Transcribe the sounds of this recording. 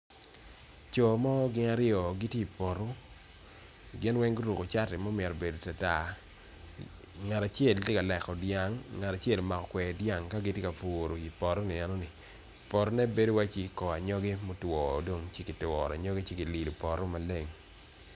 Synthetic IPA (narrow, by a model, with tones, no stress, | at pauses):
t͡ʃɔ˨mɔ˦ɡɪ˦ŋa˦ɾɪ˦ɔ˨ɡi˦tje˦i˨pɔ˨ɾo˦ | ɡɪ˦nwɛ˦ŋɡo˦ɾu˨ko˨t͡ʃa˦tɪ˨mɔ˦mɛ˨ɾɔ˨be˨do˨ta˨ta˦˨ | ŋa˨ta˨t͡ʃe˦ltje˦ka˨lɛ˨kɔ˨dja˦ŋːa˨ta˨t͡ʃe˦lma˨kɔ˨kwɛ˨dja˦˨ŋka˦ɡi˦tje˦ka˨fuː˨ɾo˨i˨pɔ˨ɾɔ˦ni˨ɛ˨nɔ˦ni˨ | pɔ˨ɾɔ˦nɛ˦be˦do˦wa˦t͡ʃi˦kɔ˨a˨ɲɔ˦ɡe˦mo˦twɔː˨do˦ŋt͡ʃi˦ki˨twɔ̰˨ɾa̰˨ɲɔ˦ɡe˦t͡ʃe˦ki˨li˨lu˨pɔ˨ɾɔ˦ma˨le˦ŋ